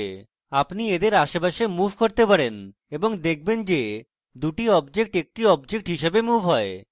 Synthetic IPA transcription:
apnied̪eɾaʃebaʃemufkoɾt̪epaɾen | eboŋd̪ek̚ʰbend͡ʑe | d̪uʈiɔbd͡ʑek̚ʈek̚ʈiɔbd͡ʑek̚ʈɦiʃebemubɦɔe

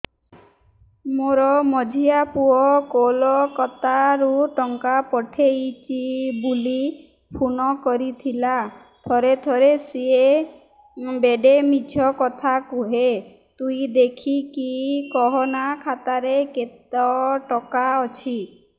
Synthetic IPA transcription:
moɾɔmɔd͡ʒʱiapuɔkolɔkɔt̪aɾuʈɔŋkapɔʈʰejt͡ʃʰibuli | pʰunɔkɔɾit̪ʰila | t̪ʰɔɾet̪ʰɔɾesie | beɖemid͡ʒʰʱɔkɔt̪ʰakuɦe | t̪uid̪ekʰikikɔɦɔnakʰat̪aɾeket̪ɔʈɔkaɔt͡ʃʰi

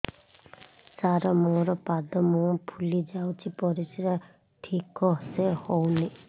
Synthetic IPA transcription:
saɾɔmoɾɔpad̪ɔmopʰulid͡ʒawt͡ʃʰipɔɾisiɾa | ʈʰikɔsehowni

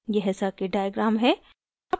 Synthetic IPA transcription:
jeɦɛsakeɖaːjəɡɾaːmɦɛː | ɐ

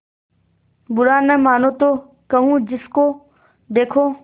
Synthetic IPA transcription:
bʊɽaːnəːmaːnoːt̪oː | kəɦũːd͡ʑɪskoː | d̪eːkʰoː

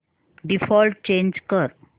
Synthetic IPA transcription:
ɖifɔlʈ̚t͡ɕẽnd͡ʑkəɾ

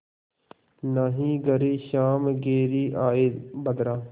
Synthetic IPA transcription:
naːɦĩːɡɐɾiːʃaːmɡeːɾiːʔaːeːd̪bɐd̪ɾaː

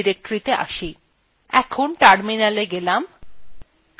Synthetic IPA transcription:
iɾek̚ʈoɾit̪eʔa̰ʃi | ɛkʰonʈaɾminaleɡelam

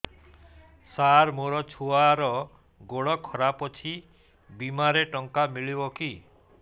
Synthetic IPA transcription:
saɾmoɾɔt͡ʃʰuaɾɔ | ɡoɭɔkʰɔɾapɔt͡ʃʰi | bimaɾeʈɔŋkamiɭibɔki

